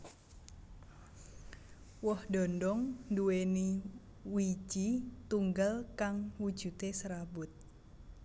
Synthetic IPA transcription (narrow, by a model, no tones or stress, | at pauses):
wɔhdɔndɔŋnduweni | wi̥d͡ʒ̥it̪uŋɡalkaŋwud̥ʒ̥ut̪esəɾabʊt̪̚